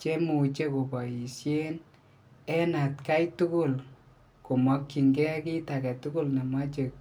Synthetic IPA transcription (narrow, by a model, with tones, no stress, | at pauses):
t͡ʃe˦mu˨t͡ʃe˦ko˨pɔ˨ji˨sje˦n | ɛ˦na˨tka˦jtʊ˦kʊ˦˨l | kʊ˨mɔ˦kːi˨ŋɡɛ˦kɪ˦ta˨kɛ˨tʊ˦kʊ˦lna˨ma˦t͡ʃe˨k̚